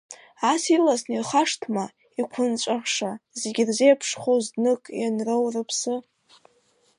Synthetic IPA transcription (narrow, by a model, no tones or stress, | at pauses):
asilasnirχaʂtʰma | ikʷʰʊnt͡ʃʷʼaʁʂazeɡʲɪrzejapʰʂχozdnɨkʼjanrowrɨpʰsɨ